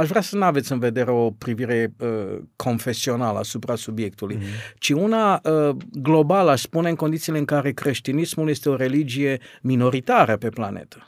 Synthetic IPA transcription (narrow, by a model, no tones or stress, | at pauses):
aʃvɾasənuave̞t̪sɨnve̞d̪e̞ɾeo̞pɾiviɾe̞əkʰo̞nfe̞sio̞naləasupɾasubje̞k̚t̪ulujt͡ʃiunaəɡlo̞balaʃspuneɨŋko̞nd̪it̪sile̞ɨŋkaɾe̞kɾe̞ʃt̪inismuljest̪e̞o̞ɾe̞lid͡ʒije̞mino̞ɾit̪aɾəpe̞pla̰ne̞̰t̪ə̥